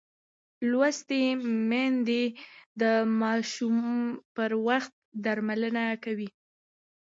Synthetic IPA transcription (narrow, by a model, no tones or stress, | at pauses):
lwast̪emand̪ed̪əmɑʃumpəɾwaxt̪̚d̪aɾmalənakawi